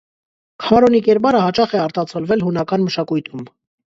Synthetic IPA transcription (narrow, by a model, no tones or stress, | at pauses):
kʰɑɾɔnikɛɾbɑɾəhɑt͡ʃɑχɛɑɾt̪ɑt͡sʰɔlvɛlɦunɑkɑnməʃɑkujt̪ʰum